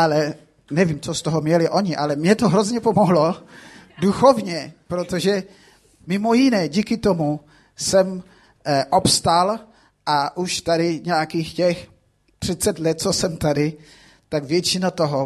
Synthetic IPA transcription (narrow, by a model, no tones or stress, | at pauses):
ʔalɛ | nɛvimt͡sost̪oɦomɲɛlɪʔo̞ɲɪʔalɛmɲɛt̪oɦɾozɲɛpomoɦlo̞duxovɲɛpɾot̪oʒɛ | mɪmojɪnɛːɟiːkɪt̪omu | sɛm | ʔopst̪al | ʔaʔuʃt̪adɪɲɛakiːxcɛx | t̪r̥ɪt͡sɛt̪lɛt̪̚t͡sosɛmt̪adɪ | t̪aɡvjɛt͡ʃɪnat̪oɦo